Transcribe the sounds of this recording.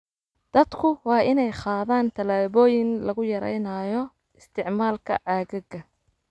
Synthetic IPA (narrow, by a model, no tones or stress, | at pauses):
d̪̥ɐd̪kʰʊwɑːʔɪnɛjχɑːðaːnt̪ʰɐlaːβɔːjɪŋlɐɣʊjɐɾɛ̰jnaːjɔ | ɪst̪ʰɪʕmaːlkʰɐ̰ʕaːɣɪɣɐ